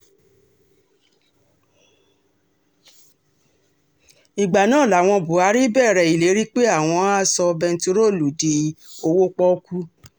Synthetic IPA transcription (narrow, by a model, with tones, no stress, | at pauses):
i˨ɡ͡ba˨nãː˦˨la˨w̃ɔ̃˧bu˨a˨˦ɾi˦bɛ˦˨ɾɛ˨i˨le˨˦ɾi˦k͡pe˦a˦˨w̃ɔ̃˧a˦sɔ˧bɛ˧n̩˦to˧˦ɾo˦˨lu˨di˨o˧wo˦k͡pɔ˦ku˦